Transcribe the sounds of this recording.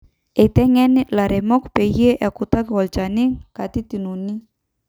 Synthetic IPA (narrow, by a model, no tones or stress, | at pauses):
et̪ɛŋɛnilaɾemɔkpejieʔakut̪akwɔlt͡ʃaniŋkat̪it̪inuni